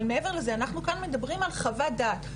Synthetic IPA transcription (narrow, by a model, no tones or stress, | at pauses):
lmee̞ve̞ʁle̞zeanaχnukanme̞d̪abʁimalχavad̪aːt